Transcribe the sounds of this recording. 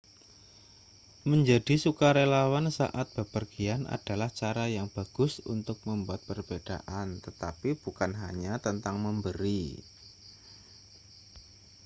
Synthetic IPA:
məɲd͡ʒad̥isukaɾelawansa̰ʔat̪̚b̥əpərɡiana̰d̥a̤laht͡ʃaɾajaŋb̥a̤ɡ̥ʊsunt̪ʊk̚məmbuat̪̚pərb̥ed̥aʔant̪ət̪apib̥ukanɦaɲat̪ənt̪aŋməmbəɾi

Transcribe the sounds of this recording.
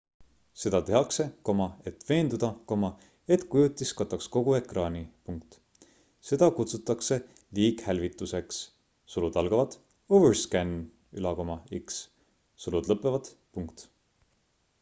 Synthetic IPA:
se̞d̪̥ɑt̪e̞ɦɑkse̞ko̞mɑe̞t̪v̥e̞ːnd̪ud̪̥ɑko̞mɑ | e̞t̪kujut̪ːˑiskɑt̪ːˑɑksko̞ɡ̥ue̞krɑːnʲipuŋk̚t̪ | se̞d̪̥ɑkut̪sut̪ːˑɑkse̞ | liːkhælvit̪ːˑuse̞ks | sulud̪ɑlɡ̥ɑvɑt̪ | overskæn | y̰lɑko̞mɑiks | sulud̪̥lɤpˑːevɑd̪̥ | puŋkt̪

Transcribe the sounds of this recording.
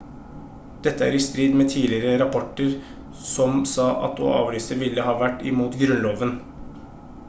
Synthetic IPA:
d̪̥ɛt̪ːəæ̰ɾɪst̪ɾiːd̪meːt̪ʰiːlɪɾəɾɑpʰɔʈːəɾ | sɔmsɑːʔɑ̰t̪o̰ːɑ̰ːʋɾyːsəɾʋɪlːəhɑːʋæʈːɪ̰muːt̪ɡɾʉnloːʋən

